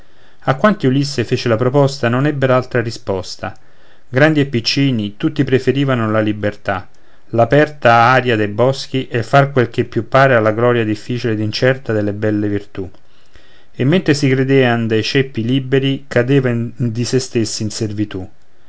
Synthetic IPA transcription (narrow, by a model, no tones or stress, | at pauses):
akːwant̪iulisːefeːt͡ʃelapɾɔpɔst̪anonɛbːeɾaalt̪ɾarispɔst̪a̰ | ɡɾand̪iepːit͡ʃːiːnit̪ut̪ːipɾefeɾiːvanolalibːert̪a | lapɛrt̪aaːɾjad̪ejbɔsk̟iʔɛfːarkwelkepːjupːaːɾealːaɡlɔːɾjad̪ifːiːt͡ʃiled̪int͡ʃɛrt̪ad̪elːebɛlːevirt̪u | emːent̪ɾesikɾed̪eːand̪ejt͡ʃɛpːiliːbeɾikʰad̪eːvad̪isest̪esːiːnservit̪u